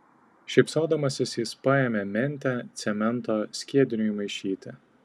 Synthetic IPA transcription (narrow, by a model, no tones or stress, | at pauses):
ʃʲɛɪpsoːd̪ɐmɐsʲɪsjɪspɑjɛmʲɛmʲɛnʲˑt̪ʲæt̪sʲɛmʲɛnˑt̪oːsʲkʲiɛd̪ʲɪnʲʊimɐɪʃʲiːt̪ʲɪ